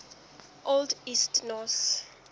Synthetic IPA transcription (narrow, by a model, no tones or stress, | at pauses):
ʔoldistnɔs